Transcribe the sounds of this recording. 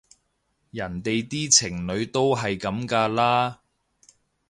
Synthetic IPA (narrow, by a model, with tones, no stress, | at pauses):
jɐ˨˩nt̪e˨jt̪iː˥t͡sʰɪ˨˩ŋnɵ˨˧ɥt̪o˥wɦɐ˨jkɐ˨˧mkaː˧laː˥